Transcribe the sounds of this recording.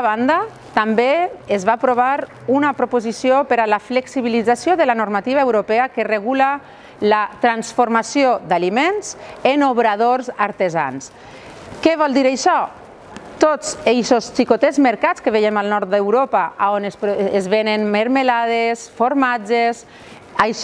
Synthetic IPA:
aβand̪a | t̪ambeezβapɾoβ̞aɾ | unapɾopuzisiopeɾalafleksiβ̞ilid͡zasjoðəlanoɾmat̪iβaewɾopeakereɣula | lat̪ɾansfoɾmasiod̪alimenz̥enoβɾað̞oɾzaɾt̪eza̰ns | kɛβ̞ɔlˠd̪iɾajʃɔ | t̪ot͡sejsost͡ʃikot̪ezmeɾkat͡skəβejemalˠnɔɾt̪̚d̪ewɾopaaonespezβenenmeɾmelað̞esfoɾmad͡ʒes | aj

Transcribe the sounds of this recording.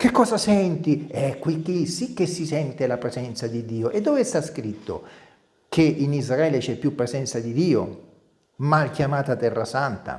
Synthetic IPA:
kekːɔːzasɛnt̪iɛkːwikːisikːesːisɛnt̪elapɾezɛnt̪sad̪id̪ːiːoʔed̪ːɔːvest̪askɾit̪ːo̰ | kʰeʔinizraɛːlet͡ʃɛpːjupːɾezɛnt̪sad̪id̪iːo̰ | malkjamaːt̪at̪ɛrːasant̪a̰

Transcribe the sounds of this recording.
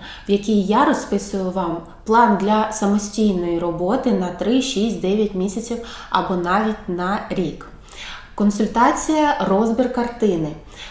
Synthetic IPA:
ʋjɐkʲijjaɾɔspɪsʊjʊʋɑm | plˠɑnd̪lʲɐsɐmɔsʲtʲijnɔjirɔbɔt̪ɪnɐt̪ɾɪʃisʲtʲd̪ɛʋʲjɐtʲmʲisʲɐt͡sʲiwɐ̰bɔnɑʋʲitʲnɐɾʲik | kɔnsʊlʲt̪ɑt͡sʲijɐrɔzbʲirkɐrt̪ɪnɪ

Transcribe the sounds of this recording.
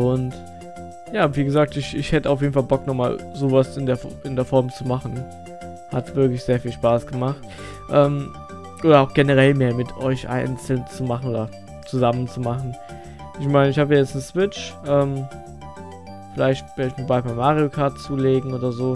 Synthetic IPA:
ʔʊnt | jaːviːɡəzaːk̚tɪçɪçhɛtəaʊfjeːdn̩falbɔknɔχmaːlzoːvasɪndeːɐfɪndeːɐfɔɐmt͡sumaχn̩ | hatv̥ɪɐklɪçz̥eːɐfiːlʃpaːsɡ̥əmaχt | ʔɛːm | ʔoːɾɐaʊxɡ̥enəʁ̞ɛlmeːɐmɪtʰʔɔ̰ʏçʔa̰ɪnt͡sl̩nt͡sumaχn̩ʔoːdɐ | t͡suzamənt͡sumaχn̩ | ʔɪçmaɪnəɪçhaːbəjaːjɛt͡snəsv̥ɪt͡ʃʔɛːm | fɪlaɪçtv̥ɛɐdəɪçmiɐbaɪpaɪmːaːʁiokʰaɐtt͡suːleːɡŋ̩oːdɐzoː

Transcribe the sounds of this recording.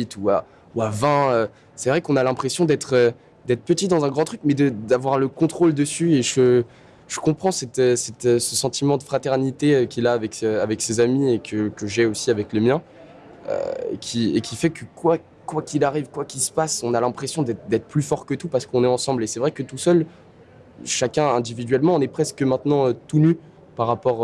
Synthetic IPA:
it̪ua̰ | uavɛ̃ø | sɛvʁɛkɔ̃nalɛ̃pχesjɔ̃d̪ɛt̪χø | d̪ɛt̪χəpət̪id̪ɑ̃zɛ̃ɡʁɑ̃t̪χyk̚mɛd̪əd̪avwaʁləkɔ̃t̪χold̪əsyeʒə | ʒ̥əkɔ̃pχɑ̃sɛt̪øsɛt̪øsəsɑ̃t̪imɑ̃d̪əfχat̪ɛʁnit̪eøkʲilaːvɛkøavɛksezamiekʰəkəʒɛosiavɛkləmjɛ̃ | ø̰kʲʰiekʲifɛkəkwa | kwakʲilaʁivkwakʲilsə̥pasɔ̃nalɛ̃pχesjɔ̃d̪ɛt̪d̪ɛt̪χə̥plyfɔʁkət̪upaʁsə̥kɔ̃nɛɑ̃sɑ̃blesɛvʁɛkət̪usœl | ʃakʲɛ̃ɛ̃d̪ivid̪ɥɛlmɑ̃ɔ̃nɛpχɛskəmɛ̃t̪nɑ̃øt̪uny | paʁapɔʁ

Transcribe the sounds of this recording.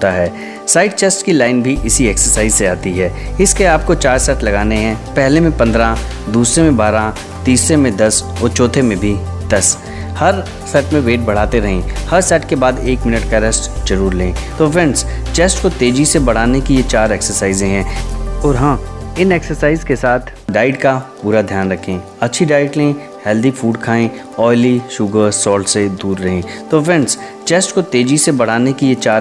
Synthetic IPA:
t̪aɦɛː | saːɪɖ̚t͡ʃeːsʈkilaːɪnbʱiʔɪsiɛːksəɾsaːɪzseaːt̪iɦɛːɪskeaːp̚kot͡ʃaːɾsɛːʈlɐɡaːneɦɛ̃ːpɛɦlemẽpɐ̃nd̪ɾã | d̪uːsɾemẽbaːɾã | t̪iːsɾemẽd̪ɐsɔːɾt͡ʃɔːt̪ʰemẽbʱid̪̥ɐs | hɐɾ | sɛːʈmẽʋeːʈ̚bɐɽ̤aːt̪eɾɐɦẽhɐɾsɛːʈkebaːd̪eːkmɪnəʈkaɾɛsʈd͡ʒɐɾuːɾlẽːt̪oːʋɪ̃nst͡ʃeːsʈkot̪eːd͡ʒisebɐɽ̤aːnekijet͡ʃaːɾɛːksəɾsaːɪzẽɦɛ̃ːɔːɾɦãːɪnɛːksəɾsaːɪzkesaːt̪ʰ | ɖaːɪɖkapuːɾad̪ʱjaːnɾɐkʰẽː | ɐtːʃʰiɖaːɪʈlẽẽ | hɛːld̪ifuːɖkʰaːẽ | ɔːɪliʃʊɡəɾsɔːlʈsed̪uːɾːɐɦẽt̪oːʋɛ̃nɖs | t͡ʃeːsʈkot̪eːd͡ʒisebɐɽ̤aːnekijet͡ʃaːɾ

